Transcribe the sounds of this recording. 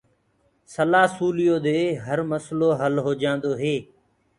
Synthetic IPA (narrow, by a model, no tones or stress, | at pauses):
səlaːsuːlɪjoːd̪eːɦəɾməsloːɦəlɦoːd͡ʒãːnd̪oːɦeː